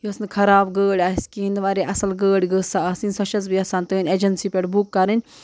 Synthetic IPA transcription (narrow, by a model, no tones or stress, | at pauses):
josnkʰɐɾaːbɡəːɽʲaːiskiind̪ʋaːɾeʔɐsɐlɡəːɽʲɡəsaaːsinsɐʃɐzbiɐsaːnt̪əːnʲeːd͡ʒɐnsiːpʲeʈbukːɐɾɐnʲ